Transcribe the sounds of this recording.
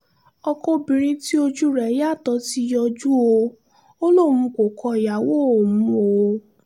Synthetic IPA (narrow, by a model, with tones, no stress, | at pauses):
ɔ˧kɔ˦bĩ˨ɾ̃ĩ˧ti˦o˧d͡ʒu˦ɾɛ˨˦ja˦˨tɔ˨˧˦ti˦jɔ˧d͡ʒu˦o˧ | o˦lo˦˨mũ˧˦ko˨kʰɔ˧i˨ja˨wo˦o˨mũ˨˦o˧